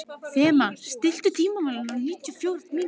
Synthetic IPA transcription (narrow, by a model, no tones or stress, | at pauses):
fɛːmast̪ɪl̥t̪ʏt̪ʰiːmamalananiːt̪ʏfjowɾmiː